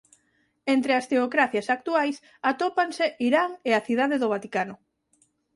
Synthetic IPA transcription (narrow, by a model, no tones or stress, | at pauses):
ent̪ɾeast̪eokɾaθjasak̚t̪uajs | at̪opanseiɾaŋeaθiðaðeðʊβ̞at̪ikanʊ